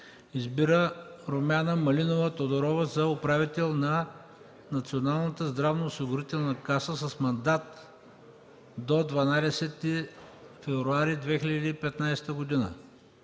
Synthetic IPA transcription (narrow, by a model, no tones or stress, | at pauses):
izbiɾəɾomʲanəmɐlinovət̪od̪oɾɔvəzɐʊpɾavit̪ɛlˠnɐ | nɐt̪sionalˠnət̪əzd̪ɾavnɐʊsiɡʊɾit̪ɛlˠnɐkasəsɐsmɐnd̪at̪ | d̪od̪vɐnad̪ɛsɛt̪ːifɛvɾuaɾid̪vɛxilʲɐd̪iːpɛt̪najst̪əɡʊd̪inə̰